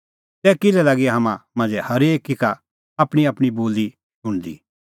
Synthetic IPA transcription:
sɛːkɪlɛlɐɡiɦɐmãmãːnd͡zɛhɐɾeːkːɪka | ɐpɽ̃iɐpɽ̃iboːli | sʊ̃ɽ̃d̪ḭː

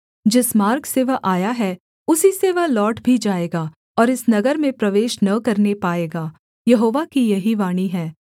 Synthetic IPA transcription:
d͡ʒɪsmaːɾkseʋɐʔaːjaɦɛ | ʊsiseʋɐɦlɔːʈbʱid͡ʒaːeːɡaː | ɔːɾɪsnɐɡəɾmẽpɾɐʋeːʃnɐkɐɾnepaːeːɡaː | jɐɦoːʋakijɐɦiʋaːɽ̃iɦɛ̃ː

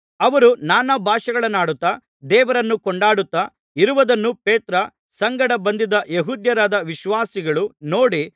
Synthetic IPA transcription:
ɐʋɐɾunaːnɐbʱaːʃɐɡɐɭɐnːaːɽut̪ːɐ | d̪ɛːʋɐɾɐnːukɔɳɖaːɽut̪ːɐ | iɾuʋɐd̪ɐnːupeːt̪ɾɐ | sɐŋɡɐɽɐbɐnd̪id̪ɐjeɦuːd̪jɐɾaːd̪ɐʋiʃʋaːsiɡɐɭuno̞ːɽi

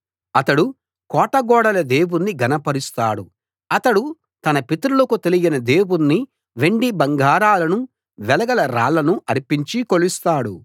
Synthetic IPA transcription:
ɐt̪ɐɽu | kɔːʈɐɡɔːɽɐlɐd̪e̞ːwunːiɡɐnɐpɐɾist̪aːɽu | ɐt̪ɐɽu | t̪ɐnɐpit̪ɾulɐkut̪e̞liɡinɐd̪e̞ːwunːi | ʋe̞ɳɖibɐŋɡʱaːɾaːlɐnu | ʋɛlɐɡɐlɐɾa̰ːlːɐnuʔɐɾipiɲt͡ʃikolist̪aːɽu

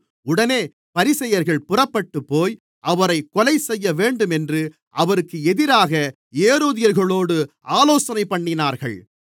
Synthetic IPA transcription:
ʊɽɐneː | pɐɾɪsɐjɐɾɣɐɭpʊrɐpːɐʈːɯpːoːj | ʔɐʋɐɾɐɪkːɔlɐɪsɛjːɐʋeːɳɖɯmɛndrɯ | ʔɐʋɐɾɯkːɯɛðɪɾaːɣɐ | eːɾoːðɪjɐɾɣɐɭoːɽɯʔaːloːsɐnɐɪpːɐɳːɪnaːɾɣɐɭ

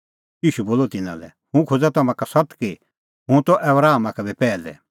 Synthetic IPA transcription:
jiːʃuboːlɔt̪ɪna̰lɛ̰ | hũkʰod͡zat̪ɐmãkasɐt̪ki | ɦũt̪ɔʔɛbɾaːmakɛbipɛːlɛ̰

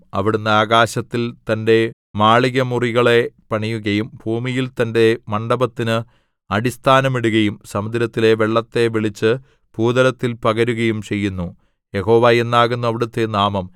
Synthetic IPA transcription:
ɐ̰ʋiɽunːɐaːɣaːɕɐt̪ːilt̪ɐnde̞ | maːɭiɣɐmuriɣɐɭe̞pɐɳijuɣɐjumbʱuːmijilt̪ɐnde̞mɐɳɖɐbɐt̪ːinɨ | ɐɽist̪ʰaːnɐmiɽuɣɐjumsɐmud̪ɾɐt̪ːile̞ʋeɭːɐt̪ːe̞ʋiɭit͡ɕːɨ | b̥uːd̪ɐlɐt̪ːilpɐɣɐɾuɣɐjumt͡ɕe̞jːunːu | je̞ɦo̞ːʋajenːaːɣunːuɐʋiɽut̪ːenaːmɐm

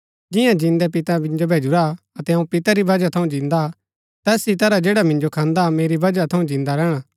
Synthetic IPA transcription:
d͡ʒɪ̃jãd͡ʒɪ̃nd̪ɛpɪt̪abɪ̃nd͡ʒobʱeːd͡ʒʊɾa | ɐt̪ɛɦɐũpɪt̪aɾibɐd͡ʒat̪ʰɐũd͡ʒɪ̃nd̪a | t̪ɛːsit̪ɐɾad͡ʒeːɽamɪ̃nd͡ʒokʰãːnd̪ameːɾibʱɐd͡ʒat̪ʰɐũd͡ʒɪ̃ːnd̪aɾɛːɽ̃aː

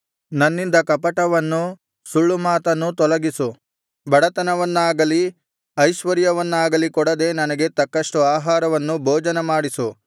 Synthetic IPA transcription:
nɐnːind̪ɐkɐpɐʈɐʋɐnːu | suɭːumaːt̪ɐnːut̪ɔlɐɡisu | bʱɐɽɐt̪ɐnɐʋɐnːaːɡɐli | ɐjʃʋɐɾjɐʋɐnːaːɡɐlikɔɽɐd̪e̞ːnɐnɐɡe̞t̪ɐkːɐʂʈuaːɦaːɾɐʋɐnːubʱoːd͡ʒɐnɐmaːɽisu

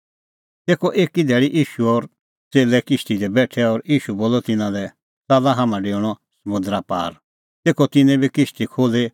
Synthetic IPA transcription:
t̪eːkʰɔʔeːkid̪ʱɛːɭiʔiːʃuɔɾ | t͡seːlɛkɪʃʈid̪ɛbɛːʈʰɛɔɾiːʃuboːlɔt̪ɪnãlɛ | t͡saːlaɦamãɖeːɽ̃ɔsɐmʊ̃nd̪ɾapa̰ːɾ | t̪eːkʰɔt̪ɪnɛ̃bikɪʃʈ̪ikʰoːle

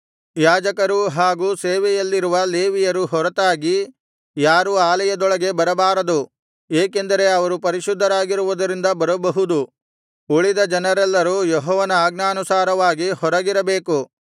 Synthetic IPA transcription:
jaːd͡ʒɐkɐɾuɦaːɡuːseːʋɛjɐlːiɾuʋɐle̞ːʋijɐɾuɦɔɾɐt̪aːɡi | jaːɾuaːlɐjɐd̪ɔɭɐɡe̞bɐɾɐbaːɾɐd̪u | eːke̞nd̪ɐɾe̞ɐʋɐɾupɐɾiʃud̪ʱːɐɾaːɡiɾuʋud̪ɐɾind̪ɐbɐɾɐbɐɦud̪u | uɭid̪ɐd͡ʒɐnɐɾɛlːɐɾuːjɔɦɔːʋɐnɐaːɡnaːnusaːɾɐʋaːɡihɔɾɐɡiɾɐbeːku

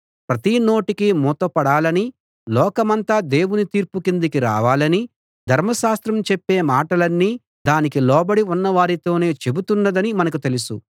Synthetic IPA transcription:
pɾɐt̪ino̞ːʈikimuːt̪ɐpɐɽaːlɐni | lɔːkɐmɐnt̪aːd̪e̞ːwunit̪iːɾpukind̪ɐkiɾa̰ːʋaːlɐni | d̪ʱɐɾmɐʃaːst̪ɾɐmt͡ʃepːe̞ːmaːʈɐlɐnːiː | d̪aːnikilɔːbɐɽiunːɐʋaːɾit̪o̞ːne̞ːt͡ʃe̞but̪unːɐd̪ɐnimɐnɐkut̪e̞lusu

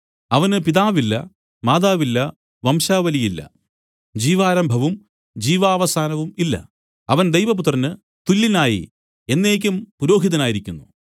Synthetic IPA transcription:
ɐʋɐnɨpiðaːʋilːɐ̰ | maːðaːʋilːɐ | ʋɐmʂaːʋɐlijilːɐ̰ | d͡ʑiːʋaːɾɐmbʱɐʋum | d͡ʑiːʋaːʋɐsaːnɐʋumilːɐ̰ | ɐʋɐnd̪ejʋɐp̬ut̪rɐnːɨ | t̪ulːinaːjḭ | e̞nːeːk̬ʲːumpuɾo̞ːɦiðɐnaːjiɾikʲːunːu

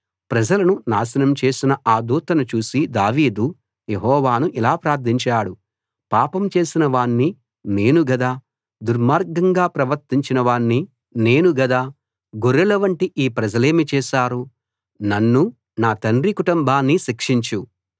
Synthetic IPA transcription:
pɾɐd͡ʒɐlɐnunaːʃɐnɐmt͡ʃe̞ːsinɐʔaːd̪uːt̪ɐnɐt͡ʃuːsid̪aːʋiːd̪u | jeɦɔːʋaːnuʔilaːpɾaːɾt̪ʰiɲt͡ʃaːɽu | paːpɐmt͡ʃe̞ːsinɐʋaːnːi | ne̞ːnuɡɐd̪aː | d̪uɾmaːɾɡɐŋɡaːpɾɐʋɐɾt̪iɲt͡ʃinɐʋaːnːi | ne̞ːnuɡɐd̪aː | ɡoɾɛlɐʋɐɳʈiʔiːpɾɐd͡ʒɐle̞ːmit͡ʃɛːʃaːɾu | nɐnːu | naːt̪ɐnɾikuʈumbʱaːnːiʃikʂiɲt͡ʃu

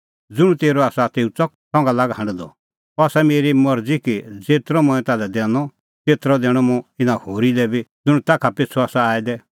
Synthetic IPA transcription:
d͡zʊɽ̃ut̪eːɾɔaːsat̪eːut͡sɔk̚sɔ̃ŋɡalaːɡɦɐ̃ɳɖd̪ɔ̰ | ɔaːsɛmeːɾimɐɾd͡zikid͡zeːt̪ɾɔmɔ̃ɛ̃t̪aːlɛd̪ɛːnɔ | t̪eːt̪ɾɔd̪ɛːɽ̃ɔmũɪnãhoːɾilɛbid͡zʊɽ̃ut̪aːkʰapɪt͡sʰuaːsaaːid̪ɛ

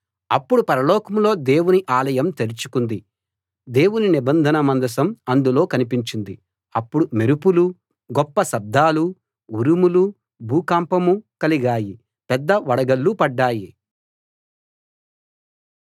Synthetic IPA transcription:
ɐpːuɽupɐɾɐlɔːkɐmlo̞ːd̪e̞ːwuniʔaːlɐjɐmt̪eɾit͡ʃukund̪i | d̪e̞ːwuninibɐnd̪ʱɐnɐmɐnd̪ɐsɐmɐnd̪ulo̞ːkɐnipiɲt͡ʃind̪i | ɐpːuɽumeɾupulu | ɡɔpːɐsɐb̚d̪ʱaːlu | uɾumulu | bʱuːkaːmpɐmukɐliɡaːji | pɛd̪ːɐʋɐɽɐɡɐlːupɐɖːaːji

